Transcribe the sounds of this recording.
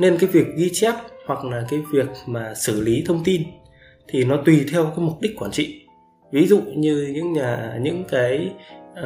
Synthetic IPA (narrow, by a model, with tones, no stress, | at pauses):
ne˧nkaː˨˦jvi˨˩ək̚ɣi˧t͡ɕɛ˦˥p̚hwa˨˩k̚laː˨˩kaː˨˦jvi˨˩ək̚maː˨˩sɨ˧˩li˨˦t̪ʰə˧wŋ͡mt̪i˧n | t̪ʰi˨˩nɔ˨˦t̪wi˨˩t̪ʰɛ˧wkaː˨˦jmʊ˨˩k͡p̚ɗi˦˥k̟̚kwaː˧˩nt͡ɕḭ˧˨ | vi˨˦zṵ˧˨ɲɨ˧ɲɨ̰˧˥ŋɲaː˨˩ɲɨ̰˧˥ŋkaː˨˦j